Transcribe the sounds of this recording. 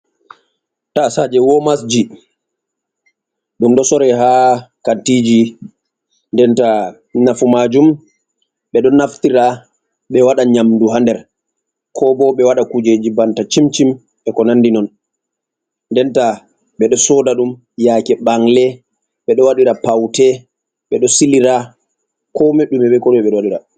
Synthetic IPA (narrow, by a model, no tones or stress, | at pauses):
tasad͡ʒɛwɔmas̬d͡ʒi | ɗumɗɔsɔɾɛɦakantid͡ʒi | ndɛnta | nafumad͡ʒum | ɓɛɗɔnaftiɾa | ɓɛwaɗaɲamduɦandɛɾ | kʰɔbɔɓɛwaɗakud͡ʒed͡ʒibantat͡ʃimt͡ʃim | ɓɛkɔnandinɔn | ndɛnta | ɓɛɗɔsɔdaɗum | jaːkɛɓaŋlɛ | ɓɛɗɔwaɗiɾapawtɛ | ɓɛɗɔsiliɾa | kɔmeɗumɛɓɛkɔɗumɛɓɛɗɔwaɗiɾa